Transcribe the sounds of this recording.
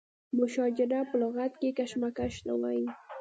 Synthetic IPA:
mʊʃɑd͡ʒɪɾapʊloɣat̪kɪkaʃmakaʃna̰waj

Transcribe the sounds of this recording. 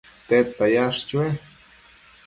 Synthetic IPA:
t̪et̪ːajaʂt͡ʃwe

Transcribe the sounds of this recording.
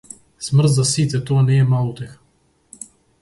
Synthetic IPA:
smrt̪zasit̪ɛt̪ɔanɛːmalˠut̪ɛx

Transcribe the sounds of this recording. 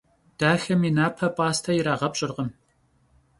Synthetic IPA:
d̥aːxɐminaːpʰɐpʼaːstʰɐjɪɾaːʁɐpɕʼɪrʁəm

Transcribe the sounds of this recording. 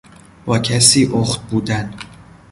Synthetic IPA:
b̥ɒːcʰæsiːʔoxt̪̚buːd̪æn

